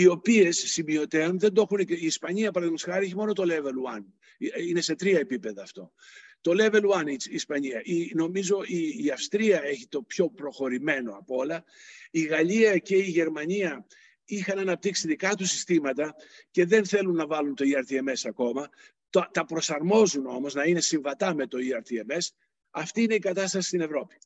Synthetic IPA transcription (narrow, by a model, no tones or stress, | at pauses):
io̞pie̞sːimio̞t̪e̞onðend̪oxuneiːspɐɲiɐpɐɾɐðnosxɐɾie̞çimo̞no̞t̪o̞leveluɐn | ine̞se̞t̪ɾiɐe̞pipe̞ðɐːft̪o̞̰ | t̪o̞le̞veluɐniːspɐɲiɐʔino̞mizo̞iːɐfst̪ɾiɐe̞çit̪o̞pço̞pɾo̞xo̞ɾime̞no̞ɐpoolɐ | iɣɐʎiɐce̞iʝe̞ɾmɐɲiɐ | ixɐnɐnɐp̚t̪iksiðikɐt̪usi̥st̪imɐt̪ɐce̞ðe̞nθe̞lunːɐvɐlunt̪o̞iɐɾt̪ieme̞sɐko̞mɐ | t̪ot̪ɐpɾo̞sɐɾmo̞zuno̞mo̞znɐine̞siɱvɐt̪ɐme̞t̪o̞iɐɾt̪ieme̞s | ɐft̪iːne̞ikɐt̪ɐst̪ɐsi̥st̪ine̞vɾo̞pi̥